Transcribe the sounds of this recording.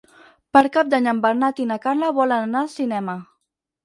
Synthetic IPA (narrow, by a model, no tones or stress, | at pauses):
pəɾkap̚d̪aɲəmbəɾnat̪inakaɾləβɔlənanasinɛmə